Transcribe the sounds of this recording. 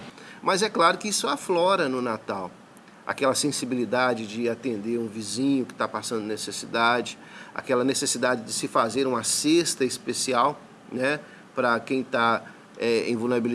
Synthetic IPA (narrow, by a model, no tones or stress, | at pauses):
mɐzɛklaɾʊkɪisʊaflɔɾɐnʊnat̪aw | a̰kɛlɐsẽsibilid̪ad͡ʒɪd͡ʒɪat̪ẽnd̪eɾũvizĩɲʊkɪ̥t̪apasɐ̃nd̪ʊnesesid̪ad͡ʒɪ | a̰kɛlɐnesesid̪ad͡ʒɪd͡ʒɪsɪfazeɾũmɐsest̪ɐispesiaw | nɛ | pɾɐkẽj̃t̪a | ɛḛ̃j̃vuneɾabil